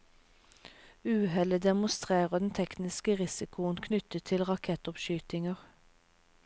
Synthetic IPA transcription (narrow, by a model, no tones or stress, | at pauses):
ʉːhɛləd̪ɛmʊst̪ʁeːʁəd̪ɛnt̪ʰɛknɪskəʁɪsɪkʰʊənkʰnʏt̪ət̪ʰɪlʁɑkʰɛt̪ɔpʃyːt̪ɪŋəʁ